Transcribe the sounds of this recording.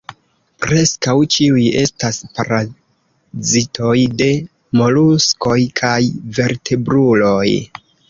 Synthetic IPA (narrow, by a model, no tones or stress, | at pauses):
pɾe̞skawt͡ʃiuje̞staspaɾa | zitʰo̞jde̞ | mo̞lusko̞jkʰajve̞ɾtʰe̞bɾulo̞j